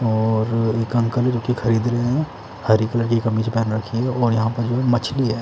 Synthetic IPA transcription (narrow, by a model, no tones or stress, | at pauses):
ɔːɾekɐ̃ŋkəld͡ʒoːkixʰɐɾiːd̪ɾɐɦɛ̃ | hɐɾikələɾkikɐmit͡ʃʰepɛːnɾɐkʰiɦɛɔːɾjɐɦãpɐɾd͡ʒoɦɛmɐt͡ʃʰliɦɛː